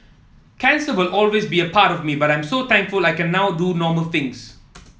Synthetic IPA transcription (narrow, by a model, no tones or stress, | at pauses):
kʰɛ̃nsəwɪlʔɔlwesbiəpʰatɔvmibaɾãj̃msot̪ɛ̃ŋkfulajkɛ̃nːaʊdunɔməlθɪ̃ŋs